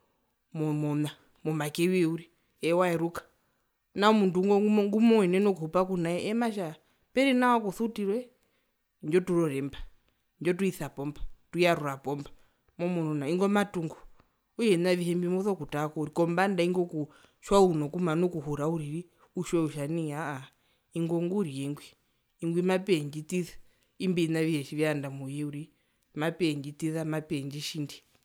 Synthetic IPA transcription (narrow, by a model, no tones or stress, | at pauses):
mɔmɔna | mɔmakɛwɛuɾi | ɛwaɛɾukḁ | naɔmunduŋɡɔŋɡumɔwɛnɛnɔkuhupakunaɛʔɛmaʃa | pɛɾinawakuθutiɾwɛ | nd͡ʒɔtuɾɔɾɛmba | nd͡ʒɔtuiθapɔmbatuijaɾuapɔmba | mɔmɔnɔnaiŋɡɔmatuŋɡɔ | ujɛnaʋiɦɛmbimuðɔkutakɔuɾikɔmbandaiŋɡɔku | ʃwaunɔkumanɔkuɦuɾauɾiɾi | uʃwɛuʃaniaː | iŋɡɔŋɡuɾijɛŋɡwiː | ŋɡwimapɛɲd͡ʒitiθa | imbinaʋiɛʃiʋiandamujɛuɾi | mapɛɲd͡ʒitiθamapɛnd͡ʒiʃindi